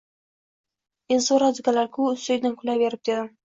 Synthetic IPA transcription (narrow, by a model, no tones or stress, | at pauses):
enzoɾad̪ʊɡʲalaɾkʲʰʊʊst̪ojd̪ankʰʊlaveɾɪp̚d̪e̞d̪ɪ